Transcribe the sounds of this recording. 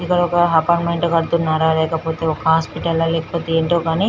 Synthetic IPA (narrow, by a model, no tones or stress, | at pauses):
ikːɐɽɔkɐɦɐpɐɳmɐjɳʈːkɐɽut̪unːaːɾaːlɛːkɐpo̞ːt̪e̞ːɔkɐɦaːspiʈɐlːɐlɛːkɐpoːt̪eeːɳʈoːɡaːni